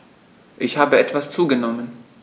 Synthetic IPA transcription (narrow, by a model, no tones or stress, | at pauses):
ʔɪçhaːbəɛtv̥ast͡suːɡənɔmən